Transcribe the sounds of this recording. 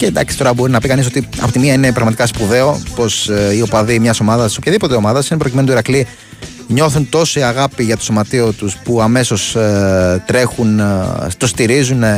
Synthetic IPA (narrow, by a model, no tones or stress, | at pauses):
cend̪ɐksi̥t̪o̞ɾɐbo̞ɾinɐpikɐnis̬ot̪iɐ̰pot̪imiɐine̞pɾɐɣmɐt̪ikɐspuðe̞o̞po̞sio̞pɐðimɲɐso̞mɐðɐsopçɐðipot̪eo̞mɐðɐsinepɾo̞cime̞not̪iɾɐkli | ɲo̞θunt̪o̞soiɐɣɐpiʝɐt̪oso̞mɐt̪iot̪uspuɐme̞so̞s | t̪ɾe̞xunt̪o̞st̪iɾizun